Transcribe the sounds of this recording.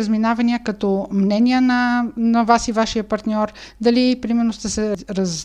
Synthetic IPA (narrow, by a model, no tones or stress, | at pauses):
əzminavɐniəkɐt̪ɔmnɛniənɐnɐvasivaʃiəpɐɾt̪nʲɔɾd̪ɐlipɾimɛɾnost̪ɛsɛɾz